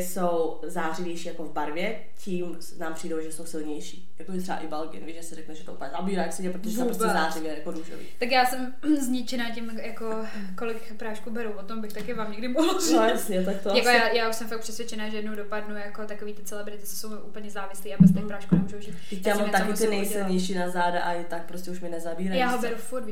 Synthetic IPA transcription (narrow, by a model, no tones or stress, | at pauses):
sow | zaːrɪvjɛjʃiːjakovbaɾvjɛ | ciːm | naːmpr̥iːdowʒɛsowsɪlɲɛjʃiːjakoʒɛt̪rɛba̰ʔɪbalkɪ̰nɛ̰viːʒɛsɛrɛknɛʒɛt̪ouːplɲɛzabiːɾaːjaksɪɲɛpɾot̪oʒɛapɾos̬ɲɛɛzaːrɪvjɛjakoduːʒo̰vḭːt̪ak̬jaːsɛm | zɲɪt͡ʃɛnaːcɪmjako | kolɪk | pɾaːʃkubɛɾowvot̪ombɪxt̪akɪvaːmɲɛɡdɪmoɦzsɲɛt̪ak̚t̪ojakojajaːuʃsɛmfak̚pr̥ɛsvjɛt͡ʃɛnaːʒɛjɛdnowdopadnujakot̪akoviːt̪ɪt͡sɛlɛbɾɪt̪ɪsɛ̥sowʔuːpl̩ɲɛzaːvɪsliːabɛst̪ɛpɾaːʃkunɛmuːʒowʒiːt̪ɛjaːmmt̪akɪt̪ɪnɛjsɪlɲɛjʃiːnazaːdaʔaɪt̪ak̚pɾoscɛuʃmɪnɛzabiːɾajjaːɦobɛɾufuɾt̪v